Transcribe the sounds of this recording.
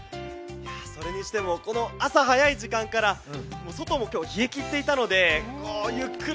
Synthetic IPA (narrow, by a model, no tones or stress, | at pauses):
jaso̞ɾe̞ɲ̟iɕi̥t̪e̞mo̞ko̞no̞asaɦajaiʑikãŋkaɾamo̞ːso̞t̪o̞mo̞kʲo̞ːçie̞kʲit̪ːe̞it̪ano̞d̪e̞kojɯkːɯ